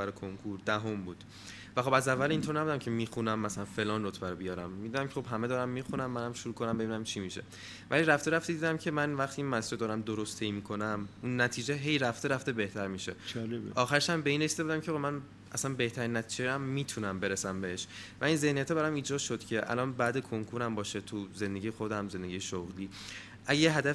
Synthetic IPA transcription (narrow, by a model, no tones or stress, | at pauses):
æɾkʰoŋkʰuɾd̪æɦo̞mbuːd̪̥ | væxo̞bæzævːæliːnt̪ʰoɾnæbud̪æmcʲʰe̞miːxunæmːæsælænfe̞lɒːnrot̪ʰbæɾɔbijɒːɾæmːid̪unæmcʰexo̞bɦæmed̪ɒːɾæmːiːxunæmːænæmʃuɾuːkʰonæmbe̞b̪iːnæmt͡ʃʰimiʃe̞̰ | væ̰liɾæft̪eɾæft̪ed̪iːd̪æmcʰe̞mænvæχt̪ʰiːiːnmæsd͡ʒed̪ɒːɾæmd̪oɾost̪ʰejmiːkʰo̞næmunːæt̪ʰiːd͡ʒeɦejɾæft̪e̞ɾæft̪e̞be̞ht̪ʰæɾmiːʃe̞lʔɒːxæɾʃæmbe̞inresid̪eud̪æmcʰeomæn | æsænbe̞ht̪ʰæɾinːæt̪ʰid͡ʒeæmːiːt̪ʰunæmbe̞ɾesæmbeeʃvæinze̞hnijæt̪ʰeβæɾɒmiːd͡ʒɒːd̪ʃod̪cʰe̞ʔæ̰lɒːnbæd̪ekʰoŋkʰuɾæmbɒːʃet̪ʰuze̞nd̪e̞ɟʲijexo̞d̪æmze̞nd̪eɟijeʃoɣliː | ʔæɟejeɦæd̪æf